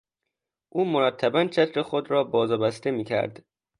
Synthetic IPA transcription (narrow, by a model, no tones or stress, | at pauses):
ʔuːmoɾæt̪ʰːæbænt͡ʃʰæt̪ʰɾexod̪ɾɒːbɒːzɒːbæst̪e̞miːcʰæ̰ɾd̪